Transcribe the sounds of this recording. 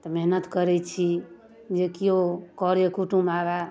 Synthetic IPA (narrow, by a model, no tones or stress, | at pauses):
t̪ɔmeɦnət̪kəɾɛt͡ʃʰi | d͡ʒekiokɔɾjekuʈumaɡa